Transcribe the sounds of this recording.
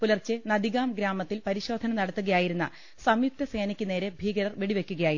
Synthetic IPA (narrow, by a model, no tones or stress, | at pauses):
pulɐrt͡ɕːɨnɐd̪iɣaːmɡɾaːmɐt̪ːilpɐɾiɕo̞ːd̪ʱɐnɐnɐɽɐt̪ːuɣɐjaːjiɾunːɐ̰ | sɐmjuk̚t̪ɐse̞ːnɐkʲːune̞ːɾe̞bʱiːɡɐɾɐrʋeɽiʋe̞kʲːuɣɐjaːji